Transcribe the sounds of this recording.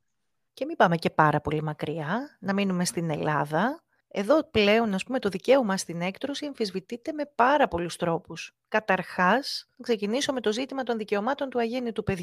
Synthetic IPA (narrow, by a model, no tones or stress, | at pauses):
ce̞mibɐme̞ce̞pɐɾɐpo̞limɐkɾiɐnɐminume̞st̪ine̞lɐðɐ | e̞ðo̞ple̞o̞nɐspume̞t̪o̞ðice̞omɐst̪ine̞kt̪ɾo̞sieɱfizvit̪it̪e̞me̞pɐɾɐpo̞lust̪ɾo̞pus | kɐt̪ɐɾxɐsnɐkse̞ciniso̞me̞t̪o̞zit̪imɐt̪o̞nðice̞o̞mɐt̪o̞nt̪uɐʝenit̪upe̞ð